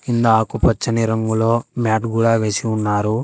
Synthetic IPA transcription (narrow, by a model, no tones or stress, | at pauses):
ind̪ɐaːkupɐt͡ʃːɐniɾɐŋɡulo̞ːmaːʈɡuːɽaːʋe̞ːsiunːaːɾu